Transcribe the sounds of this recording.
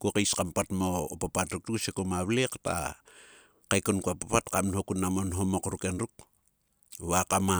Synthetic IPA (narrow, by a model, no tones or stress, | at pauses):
kokejskampatmo̞ːpapatɾuk̚tusekomaβlekta̰ | kajkonkuapapatkamnhokunamonɦo̞mo̞kɾuke̞nɾuk̚ | βakama